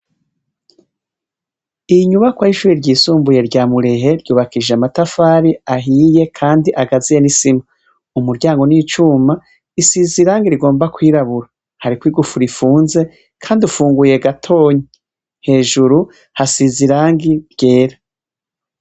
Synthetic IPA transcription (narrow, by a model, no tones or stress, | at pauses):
iɲuβakwajiʃuːɾiɾɟiːsuːmbuje̞ɾɟaːmuɾe̞ɦe̞ɾɟuːβakiʒeamatafaːɾiaɦiːje̞kʰaːndiʔaɡazije̞nisima | umuɾɟaːŋɡo̞niːt͡ʃuma | isiziɾaːŋɡiɾiɡo̞ːmbakwiːɾaβuɾa | haɾikwiːɡufuɾifuːnze̞ | kʰaːndiufuːŋɡuje̞ɡatʰo̞ːɲi | he̞ːʒuɾu | hasiziɾaːŋɡiɾɟe̞ːɾa